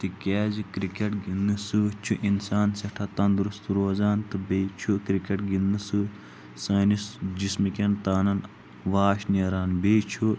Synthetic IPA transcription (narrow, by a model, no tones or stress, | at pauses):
t̪ikʲeːzikɾikeʈɡind̪ɨsut͡ʃʰuʔinsaːnseʈʰɐt̪ɐnd̪uɾust̪uɾoːzaːnt̪ɨbet͡ʃʰukɾikeʈɡinɨsɨ | saːnisd͡ʒismikʲent̪aːnɐn | ʋaːʃneɾaːnbeːt͡ʃʰu